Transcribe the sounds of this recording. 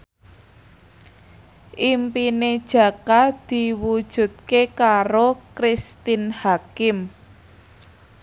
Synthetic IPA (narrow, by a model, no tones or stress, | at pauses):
ʔimpined̥ʒ̥ä̤kad̪̥i̤wud̥ʒ̥ṳt̪̚kekaɾokɾist̪inhakɪm